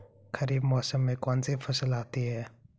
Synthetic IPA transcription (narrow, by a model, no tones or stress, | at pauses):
kʰəɾiːbmɔːsəmːẽːkɔːnseːpʰəsəlaːt̪iːɦɛː